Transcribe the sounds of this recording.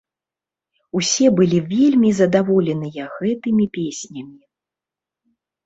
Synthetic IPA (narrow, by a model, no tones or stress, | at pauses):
usʲɛbɨlʲivʲelʲmʲizɐd̪avɔlʲɛnɨjɐɣɛt̪ɨmʲipʲesʲnʲɐmʲi